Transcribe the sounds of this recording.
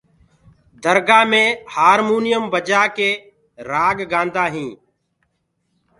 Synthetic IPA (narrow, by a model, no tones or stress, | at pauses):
d̪əɾɡaːmẽːhaːɾmuːnɪjəmbəd͡ʒaːkeː | ɾaːɡɡãːnd̪aːɦĩː